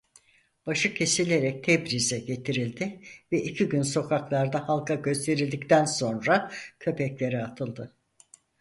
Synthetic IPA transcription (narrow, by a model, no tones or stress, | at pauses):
b̥aʃɯcʰe̞silʲe̞ɾɛc̚t̪ʰɛbɾizɛɟe̞t̪ʰiɾilʲd̪ɪvɛʔicʰiɟynso̞kʰaklˠaɾd̪ahalˠkʰaɟø̞st̪ʰe̞ɾilʲd̪ict̪ʰænso̞nɾacʰø̞pʰɛclʲe̞ɾiat̪ʰɯlˠd̪ɯ